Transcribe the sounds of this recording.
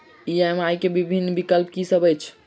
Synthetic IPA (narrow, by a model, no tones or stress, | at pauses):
iɛmajkebibʱinːbikəlpkisəbɛt͡ʃʰ